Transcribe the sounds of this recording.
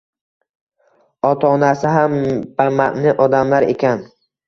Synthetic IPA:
ɒt̪ʰɒːnasɪɦamb̥amaʔnɪʔɒd̪amlaɾḛkʲan

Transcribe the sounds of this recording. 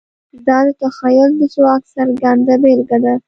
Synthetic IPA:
d̪ɑd̪ət̪axajʊld̪əswɑksaɾɡand̪abelɡad̪a

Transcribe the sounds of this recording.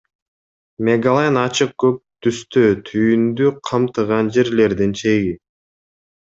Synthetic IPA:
mʲeɡalˠenɑt͡ʃɯq̚ɡøp̚t̪ʰyst̪øːt̪ʰyjynd̪yqʰɑmt̪ɯʁɑnd͡ʒe̞ɾle̞ɾd̪int͡ʃʰe̞ɡi

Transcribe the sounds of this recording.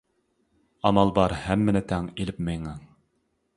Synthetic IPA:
ɑmɑlˠbɑɾhæmːɘ̆nɘt̪æŋilɘpmɘjɴɑŋ

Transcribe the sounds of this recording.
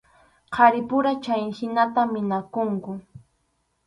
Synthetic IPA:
qʰɑɾɪpʊɾat͡ʃajhɪnat̪amɪnakʊŋkʊ

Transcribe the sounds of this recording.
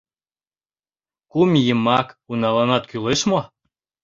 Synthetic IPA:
kumjəmɑkunɑlɑnɑt̪̚kyleʃmo

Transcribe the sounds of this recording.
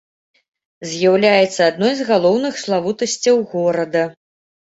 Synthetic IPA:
zʲjawlʲajɛt̪sːɐad̪nɔjzɣalˠɔwnɨxslˠavut̪ɐsʲt͡sʲɐwɣɔɾɐd̪ɐ

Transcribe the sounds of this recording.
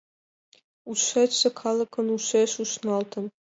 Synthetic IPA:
ut͡ɕʃet͡ɕsĕkʰɑlˠɤ̆kɤ̆nuʃeʃuʃnɑlt̪ɤ̆n

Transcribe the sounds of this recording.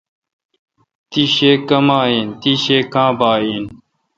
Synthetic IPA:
t̪iɕeːkɐmaːeːnt̪iɕeːkãːbaːiːn

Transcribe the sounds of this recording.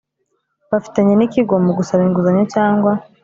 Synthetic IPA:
βafi̥taɲe̞nikiɡo̞moɡusaβiŋɡuzaɲacaːŋɡwa

